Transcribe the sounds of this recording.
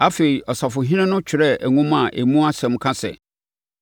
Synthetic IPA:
a˦fe˨i˨ʔɔ˨sa˨fʊ˨ɦĩ˦nɛ̃˦nʊ̃˦t͡ɕᶣʰɪ˨ɾɛ˦æ˨ŋʊ̃˦mã˨ʔḛ˨mũ˦a˦sɛ̃˨˦mkʰã˦sɛ̰˨

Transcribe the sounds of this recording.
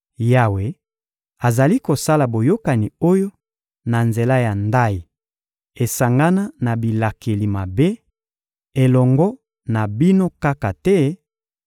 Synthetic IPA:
ja˦we˨ | a˨za˨li˦ko˨sa˦la˨bo˨jo˦ka˨ni˨o˦jo˦ | na˨nze˨la˦ja˨nda˦ji˨ | e˨sa˨ŋɡa˦na˦na˨bi˨la˨ke˨li˨ma˨be˦ | e˨lɔ˨ŋɡɔ˦ | na˨bi˦no˦ka˦ka˨tɛ˦

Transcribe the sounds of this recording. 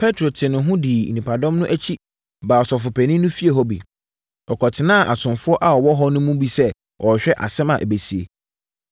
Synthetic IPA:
pʰɛ˦tʰɾo˨tʰɪ˨nʊ̃˨ɦʊ̃˦di˨nĩ˨pʰa˨dɔ̃˦mnʊ̃˦ʔæ˦t͡ɕʰi˦ | baː˨ɔ˨sɔ˨fʊ˨pʰæ˨nĩ˦nʊ̃˦fi˦e˨ɦɔ˦bḭ˨ | ɔ˨kʰɔ˨tʰɪ˨nã˦˨ʔa˨sʊ̃˨nfʊ˦ɔ˦ʔa˦ɔ˨wɔ˦ɦɔ˦nʊ̃˦mũ˦bi˦sɛ˦ | ɔ˨ɕᶣɛ˦ʔa̰˨sɛ̃˦mã̰˨ʔḛ˨be˨si˨ḛ˨

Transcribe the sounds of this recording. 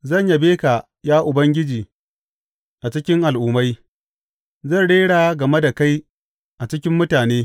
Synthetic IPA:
zɐ˦˨ɲja˨beː˦ka˨ | jaː˦ʔʊ˨bɐ˦ŋɡʲɪ˦d͡ʒiː˨ | ʔa˨t͡ʃɪ˦kʲɪ˦ŋʔa˨lʔʊː˨ma˦j | zɐ˦˨nɽeː˦ɽaː˨˦ɡɐ˨me˦da˨ka˦j | ʔa˨t͡ʃɪ˦kʲɪ˦mːʊ˦taː˨neː˦

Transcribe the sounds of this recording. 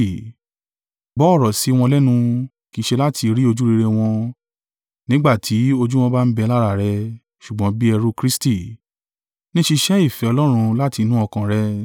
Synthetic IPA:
bɔ˨˦ɔ˦˨ɾɔ˨si˨˦w̃ɔ̃˧lɛ˦nũ˧ | ki˧ʃe˧la˦tʰi˧ɾi˦o˧d͡ʒu˦ɾi˧ɾe˧w̃ɔ̃˧ | nĩ˦ɡ͡ba˦˨tʰi˨˦o˧d͡ʒu˦w̃ɔ̃˧ba˦n̩˦bɛ˧la˦ɾa˨ɾɛ˧ | ʃu˨ɡ͡bɔ̃˨˦bi˦ɛ˧ɾu˦kɾi˦sti˦˨ | nĩ˦ʃi˧ʃɛ˦i˦˨fɛ˨ɔ˧lɔ˦ɾ̃ũ˧la˦ti˧nũ˦ɔ˧kã˨ɾɛ˧

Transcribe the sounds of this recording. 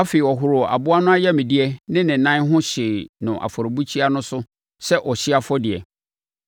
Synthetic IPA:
a˦fe˨i˨ɔ˨ɦʊ˨ɾʊ˨a̰˨bʊ˦a˦nʊ̃˦a˦jɛ˦mĩ˨di˦ɛ˦nɪ̃˦nɪ̃˨nã˦ɦʊ̃˦ɕɪ˨nʊ̃˨ʔa̰˨fɔ˨ɾo˨bu˦t͡ɕʰi˦a˦nʊ̃˦sʊ˦ | sɛ˦ʔɔ˨ɕɪ˦a˦fɔ˦dɪ˨ɛ̰˨

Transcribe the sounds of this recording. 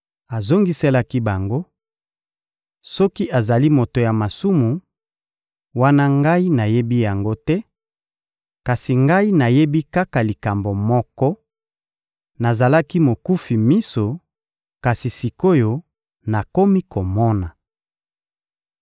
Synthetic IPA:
a˨zo˦ŋɡi˦sɛ˦la˦ki˦ba˨ŋɡo˦ | sɔ˦ki˦ʔa˨za˨li˦mo˨to˨ja˨ma˨su˦mu˨ | wa˦na˦ŋɡa˦i˦na˨je˦bi˦ja˨ŋɡo˦tɛ˦ | ka˨si˨ŋɡa˦i˦na˨je˦bi˦ka˦ka˨li˨ka˨mbo˨mɔ˦kɔ˦ | na˨za˨la˦ki˦mo˨ku˦fi˨mi˦so˨ | ka˨si˨si˨ko˦jo˨ | na˨ko˦mi˦kʰo˨mɔ˦na˨

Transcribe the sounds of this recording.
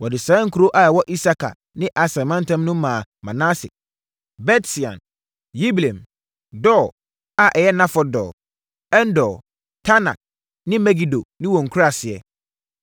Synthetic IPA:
wɔ˨dɪ˨sãː˨˦ŋ̩˦kʰu˨˦ɾo˦ʔa˨ɛ˨wɔ˦ʔi˦sa˦kʰa̰˨ | nɪ̃˦ʔa˨sã˨mã˦n˦tʰã˦mnʊ̃˦mːãː˨mã˨nã˦sɪ̰˨ | bɛ˦tsi˨ã̰˨n | ji˦bi˨lẽ˨m | dɔː˦˨ | a˨ʔɛ˨jɛ˦nã˦fɔ˨dɔ̰ː˨ | ɛ˦n˦dɔ˨ | tʰa˦na̰˨ | nɪ̃˦mɛ˦ɡi˨do˨nɪ̃˦wɔ̃˨ŋ̩˨kʰu˦ɾa˨sɪ˨ɛ̰˨

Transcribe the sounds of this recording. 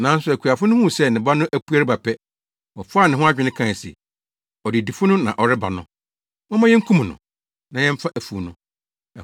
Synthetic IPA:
nã˨˦n˦sʊ˨æ˨kʰu˨a˨fʊ˦nʊ̃˦hũ˦˨sɛ˦˨nɪ̃˨ba˦nʊ̃˦ʔæ˦pu˦a˦ɾɪ˦ba˨pʰɛ˦ | wɔ˨fʊ˦a˦˨nɪ̃˨ɦʊ̃˦a˦d͡ʑᶣɪ˨˦nɪ̃˦kʰã˦˨sɛ̰˨ | ɔ˨dɪ˨di˨fʊ˦nʊ̃˦nã̰˨ʔɔ˨ɾɪ˦ba̰˨nʊ̃˨ | mɔ̃˦mã˦jɛ˦ŋ̩˦kʰũ˦m̃˨nʊ̰̃˨ | nã˨jɛ̃˦m̩˦fa˦ʔæ˨fu˨nʊ̃˨

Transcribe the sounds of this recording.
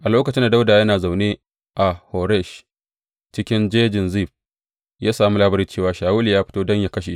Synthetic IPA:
ʔa˨loː˦kɐ˨t͡ʃɪ˦nda˨da˦wdaː˨jɐ˦naː˨za˨wneː˦ | ʔa˨ho˨ɾɛ˦˨ʃ | t͡ʃɪ˦kʲɪ˦nd͡ʒeː˦d͡ʒɪ˨nziː˦˨ɸ̚ | jaː˦saː˨mu˦laː˦bɐ˦ɾiː˦t͡ʃeː˦˨waː˨˦ʃaː˨wuː˦li˨jaː˦ɸɪ̥˦toː˦dɔ˦ɲja˦kɐ˦ʃ̬e˨˦

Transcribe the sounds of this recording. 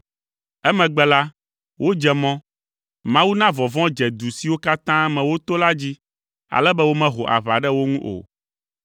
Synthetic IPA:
ɛ˦mɛ̃˨ɡ͡bɛ˦la˦ | wʔo˦d͡ʒɛ˨mɔ̃˦ | mã˦wu˦nã˦vɔ̃˨vɔ̃˦d͡ʒɛ˨d̪u˨si˨wo˦ka˦t̪ã˦mɛ̃˨wo˦t̪o˦la˦d͡ʑi˦ | a̰˨lɛ˦bɛ˦wo˦mɛ̃˦ɦo˨ʔa̰˨βa˨ɖɛ˦wo˦ŋũ˦ʔo̰˨

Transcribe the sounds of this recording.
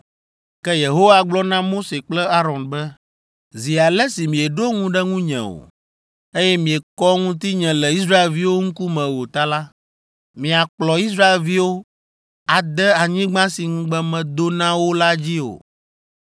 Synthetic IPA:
kɛ˦je˨ɦo˦wa˨ɡ͡blɔ˦nã˦mo˦se˨k͡plɛ˦a˦ɾɔ̃˨nbɛ˦ | zi˨a˨lɛ˦si˨mĩ˨ɛ˨ɖo˦ŋũ˦ɖɛ˦ŋũ˦ɲɛ̰̃˨o̰˨ | e˦jɛ˦mĩ˨ɛ˨kɔ˦ŋũ˦t̪i˦ɲɛ̃˨lɛ˨i˦s̬ɾa˦e˨lvi˦wo˦ŋ̩̃˦ku˦mɛ̃˨wo˨t̪a˦la˦ | mĩ˨a˨k͡plɔ˨i˦s̬ɾa˦e˨lvi˦wo˦ | a˨d̪ɛ˦a˨ɲĩ˦ɡ͡bã˦si˨ŋũ˦ɡ͡bɛ̃˦mɛ̃˨d̪o˦nã˦wo˦la˦d͡ʑi˦o̰˨

